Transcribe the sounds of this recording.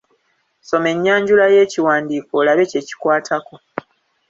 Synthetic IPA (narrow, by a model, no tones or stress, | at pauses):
so̞me̞ɲːaːɲɟulaje̞ːciwaːndiːkoːlaβe̞ce̞ːci̥kwaːtʰako̞